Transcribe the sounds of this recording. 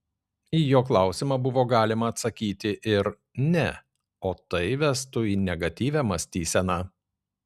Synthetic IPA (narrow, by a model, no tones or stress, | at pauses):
iːjoːklˠɑˑʊsʲɪmɑbʊʋoːɡɑːlʲɪmɐːt̪sɐkʲiːt̪ʲɪʔɪɾ | nʲɛ | oːt̪ɐɪʋʲɛst̪ʊiːnʲɛɡɐt̪ʲiːʋʲæmɐsʲt̪ʲiːsʲɛnɑː